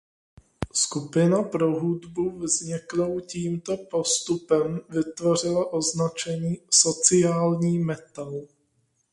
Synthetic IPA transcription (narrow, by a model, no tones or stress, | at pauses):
skupɪnapɾo̞ɦudbuvzɲɪklowciːmt̪o̞po̞st̪upɛmvɪt̪vo̞r̝ɪlaʔo̞znat͡ʃɛɲiːso̞t͡sɪjaːlɲiːmɛt̪al